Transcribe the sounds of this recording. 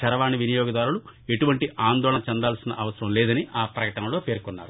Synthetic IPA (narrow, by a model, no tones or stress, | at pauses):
t͡ʃɐɾɐʋaːniʋinijɔːɡɐd̪aːɾulu | e̞ʈuʋɐɳʈiʔaːnd̪ɔːɭɐt͡ʃɛnd̪aːlsinɐ̰ʔɐʋɐsɐɾɐmlɛːd̪ɐniʔaːpɾɐkɐʈɐnɐlo̞ːpe̞ːɾkunːa̰ːɾu